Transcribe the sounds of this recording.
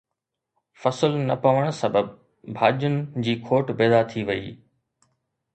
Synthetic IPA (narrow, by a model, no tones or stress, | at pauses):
fɐsəlnɐpɐʋəɽ̃sɐbəb | bʱaːd͡ʑʊnɪ̆d͡ʑiːkʰoːʈbeːd̪at̪ʰiʋɐḭː